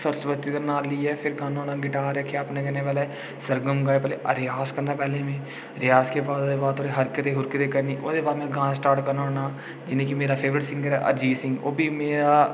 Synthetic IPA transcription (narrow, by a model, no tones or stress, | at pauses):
səɾsʋət̪ːit̪ənaːliːɛːpʰɪɾɡãːnoːnãːɡɪʈaːɾɛkʰjaəpnẽːkɛnẽpɛːle | səɾɡəmɡaːepɛːleʔə̰ɾɪjaːskəɾnaːpɛːlẽːmẽː | ɾɪjaːskebaːd̪oːd̪ebaːd̪ʰoːɾeɦəɾkət̪eɦʊɾkət̪ekəɾniːʔo̰ːd̪eːbaːd̪mẽɡãːsʈaːɾʈkəɾnaːɦoːnaː | d͡ʒɪnẽːkimeːɾaːpʰeːʋɾɪʈsɪ̃ŋɡəɾɦɛːʔə̰d͡ʒiːsɪ̃ŋɡo̰ːbʱiːmeːɾaː